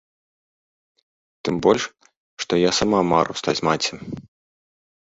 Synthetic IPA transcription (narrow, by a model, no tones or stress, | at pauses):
t̪ɨmbɔlʲʂ | ʂt̪ɔjasamama̰ɾṵst̪at͡sʲmat͡sʲɐ